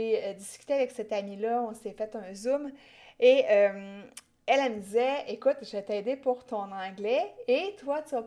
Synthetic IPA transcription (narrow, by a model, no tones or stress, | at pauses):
eød̪iskʲy̥t̪eavɛksɛt̪amilʌɔ̃sefɛt̪œ̃zum | eøm | ɛlɛməd̪izɛekut̪ʒvɛt̪ɛd̪epuʁt̪ɔ̃nɑ̃ɡlɛet̪wat̪ya